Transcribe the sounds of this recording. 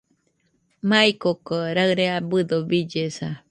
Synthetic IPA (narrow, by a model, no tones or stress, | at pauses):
maikokoɾaɨɾeabɨd̪obid͡ʒesa